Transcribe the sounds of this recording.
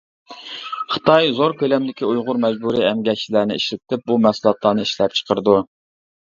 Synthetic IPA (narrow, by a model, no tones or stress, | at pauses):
χɨ̥t̪ʰɑjzoɾkʲʰølɛmd̪ɪkʲiujʁʊɾmɛd͡ʒbuɾiɛmɡʲɛt͡ʃʰilæɾnɪiʃlɪt̪ʰɪp̚bumɛsulˠɑt̪lˠɑːnɨiʃlɛp̚t͡ʃʰə̥qəɾɨd̪u